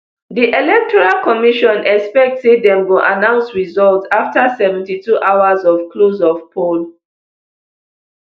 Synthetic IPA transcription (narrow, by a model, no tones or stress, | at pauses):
diʔɛlɛk̚tʰɔɹalkɔmiʃɔ̃nʔɛkspɛk̚tsidɛ̃mwilʔa̰nãʊ̃nsɹizɔltaftasɛvɛ̃ntituʔawazɔfklozɔfpʰol